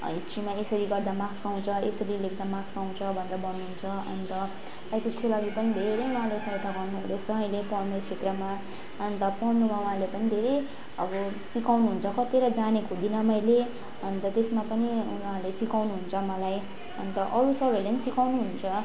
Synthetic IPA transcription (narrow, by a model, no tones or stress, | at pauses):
isʈrimaesʌɾiɡʌrd̪amaksaw̃t͡sʰʌesʌɾilekd̪amaksaw̃t͡sʰʌbʱʌnɾʌbʌnːuɦunt͡sʰʌʌ̰nt̪ʌ | tajt̪eskolaɡipʌnid̪ʱeɾʌjmɦãlajsʌet̪ʰaɡʌrnuɦod̪esʰʌʌĩlepʌɽnet͡sʰet̪rʌma | ʌnt̪ʌpʌɽnumauɦãlepʌnid̪ʱeɾʌj | ʌ̰bʌ | sikawnuɦunt͡sʰʌkʌt̪eɾʌd͡zanekod̪inʌmʌjle | ʌnt̪ʌt̪esmapʌniunɦalesikawnuɦunt͡sʰʌmʌlaj | ʌ̰nt̪ʌʔʌɾusʌɾʌlenisikawnuɦunt͡sʰʌ